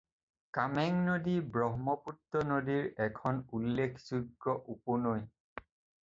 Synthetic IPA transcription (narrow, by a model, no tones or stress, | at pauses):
kamɛŋnodibɹɔɦmɔputːɔnodiɹɛkʰɔnulːekʰz̥uɡɹɔʔupɔnoj